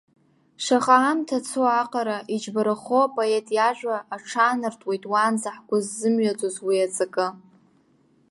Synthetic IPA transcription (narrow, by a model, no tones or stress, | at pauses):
ʂaχaːmtʰat͡sʰoaqʼaɾaʔid͡ʒbaɾaχoapʼoetʼjaʒᶣʷaːʈ͡ʂʰaːnɨrtʼwe̞jtʼwanzaħɡʷʊzːɨmɥat͡sʼozwiat͡sʼakʼɨ